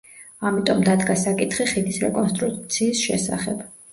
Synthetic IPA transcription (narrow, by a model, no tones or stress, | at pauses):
amit̪ʼɔmd̪ad̪ɡasakʼit̪ʰχiχid̪isɾɛ̰kʼɔnst̪ʼɾukʼt̪sʰiːsʃɛ̰sa̰χɛb